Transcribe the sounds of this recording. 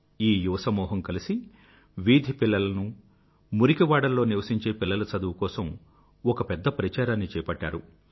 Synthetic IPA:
iːjuʋɐsɐmuːɦɐmkɐlisi | ʋiːd̪ʱipilːɐlɐnu | muɾikiʋaːɽɐlːo̞ːniʋɐsiɲt͡ʃe̞ːpilːɐlɐsɐd̪uʋukɔːsɐm | ɔkɐpɛd̪ːɐpɾɐt͡ʃaːɾaːnːit͡ʃɛːpɐʈːa̰ːɾu

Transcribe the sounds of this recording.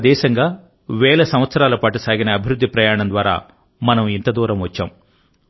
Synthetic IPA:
d̪ɛːʃɐŋɡaː | ʋɛːlɐsɐmʋɐt̪sɐɾaːlɐpaːʈusaːɡinɐːbʱiɾud̪ʱːipɾɐjaːɳɐnd̪ʋaːɾa̰ː | mɐnɐmint̪ɐd̪uːɾɐmʋɐt͡ʃːa̰ːm

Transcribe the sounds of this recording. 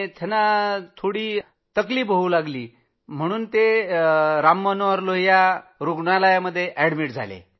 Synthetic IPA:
t̪ʰenat̪ʰoɽiː | t̪əkliːpɦoulaɡliː | m̤əɽ̃uːnt̪e | ɾamːənoʋəɾlojaɾuɡɳalajaməd̪ʱːjeʔɛɽmiːʈd͡zʱa̰lḛ

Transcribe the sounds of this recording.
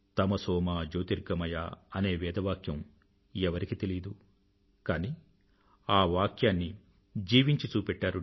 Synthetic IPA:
t̪ɐmɐsɔːmaːd͡ʒoːt̪iɾɡɐmɐjaːɐne̞ːʋɛːd̪ɐʋaːkjɐm | ɛʋɐɾikit̪elid̪u | kaːniː | aːʋaːkjaːnːi | d͡ʒiːʋiɲt͡ʃit͡ʃuːpɛʈːaːɾu

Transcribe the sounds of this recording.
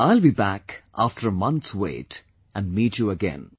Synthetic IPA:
aɪlbibækʔæfʈʰəɾmʌ̃nt̪swḛɪt | ʔæ̃nmiːtjuəɡɛ̰̃n

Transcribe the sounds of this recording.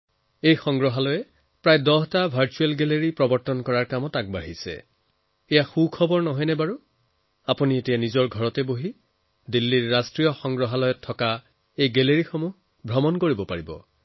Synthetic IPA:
ejxɔŋɡɹɔɦalɔjɛ | pɹajdɔɦtabʱaɹt͡ʃuɛlɡeleɹipɹɔbɔɹtɔnkɔɹaɹkamɔtak̚baɦisɛ̰ | ejaxukʰɔbɔɹnɔɦɔjnɛbaɹu | apunietijanizɔɹɡʱɔɹɔtɛboɦi | dilːiɹːastɹijɔxɔŋɡɹɔɦalɔjɛtʰːɔka | ejɡɛleɹixomuɦ | bʱɹɔmɔnkoɹibɔpaɹibɔ̰

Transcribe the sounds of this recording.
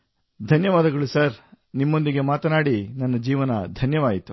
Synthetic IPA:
d̪ʱɐnjɐʋaːd̪ɐɡɐɭusɐɾ | nimːo̞nd̪iɡe̞maːt̪ɐnaːɽinɐnːɐd͡ʒiːʋɐnɐd̪ʱɐnjɐʋaːjit̪ːu

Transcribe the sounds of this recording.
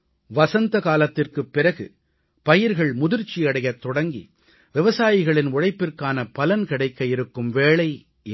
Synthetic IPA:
ʋɐsɐnd̪ɐkaːlɐt̪ːɪrkɯpːɪɾɐɣɯ̰ | pɐjɪɾɣɐɭmʊðɪɾt͡ʃːiɐɽɐjɐt̪ːɔɽɐŋɡḭ | ʋɪʋɐsaːjɪɣɐɭɪnʊɻɐɪpːɪrkaːnɐpɐlɐnkɪɽɐɪkːɐɪɾɯkːɯmʋeːɭɐɪ

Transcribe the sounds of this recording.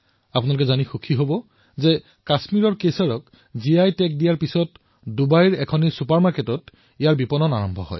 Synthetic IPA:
apʊnaluk̬ɛzanixukʰiɦobɔ | zɛ | kasmiɹɔɹkesaɹɔk | ziajtɛk̚dijaɹpisɔt | dubajɹɛkʰɔnisupaɹmaɹketɔt | ijaɹbipɔnɔnaɹɔmbʱɔɦɔ̰j

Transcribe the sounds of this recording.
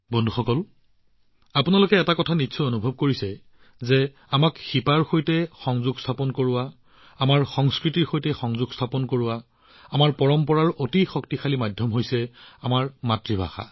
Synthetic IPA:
bɔndʱuxɔkɔl | apʊnalʊkɛːtakɔtʰanitːsʰɔonubʱɔb̚koɹisɛ | zɛ | amakxipaɹxojtɛxɔŋzuɡsʰapɔnkoɹʊwaː | maɹxɔŋskɹitiɹxojtɛxɔŋzuɡstʰapɔnkoɹʊwa | amaɹpɔɹɔmpɔɹaɹotixɔk̚tixalimadʱjɔmɦojsɛamaɹmatɹibʱa̰xa̰

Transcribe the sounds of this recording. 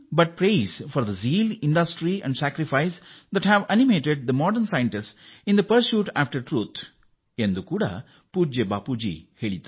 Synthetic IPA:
bɐʈ̚pɾeːzfɔːɾd̪ɐziːlɪ̃ɳɖɐsʈɾiɛ̰̃ɳɖsæːkɾifaɪsd̪æʈhæʋænimeːʈeɖ̚d̪ɐmɔːɖəɾnsajə̃ɳʈɪssɪ̃nd̪ɐpəɾsjuːʈæ̰ːfʈəɾʈɾuːt̪ʰ | ẽnd̪ukuːɽa̰ | puːd͡ʒebaːpud͡ʒḭheːɭit̪ḁ

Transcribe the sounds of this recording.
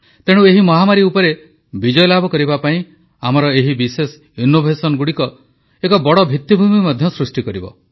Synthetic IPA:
t̪eɽ̃ueɦimɔɦamaɾiupɔɾe | bid͡ʒɔjlabʱɔkɔɾibapaĩ | amɔɾɔeɦibises | inobʱesɔnɔɡuɽikɔ | ekɔbɔɽɔbʱit̪ːibʱumimɔd̪ʱjɔsɾusʈikɔɾibɔ̰

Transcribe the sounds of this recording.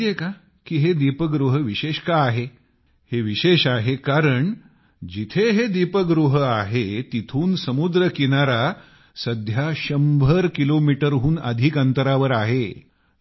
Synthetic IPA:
jeka | kiːɦed̪ipəɡɾuɦəʋiɕeɕkaːɦe | heʋiɕeɕaɦekaɾəɳ | d͡ʑit̪ʰeɦed̪ipəɡɾuɦaɦet̪it̪ʰuːnsəmud̪ɾəkinaɾa | səd̪ʱjaɕəmbʱəɾkilomiʈəɾɦuːnəd̪ʱiːkənt̪əɾaʋəɾaɦe

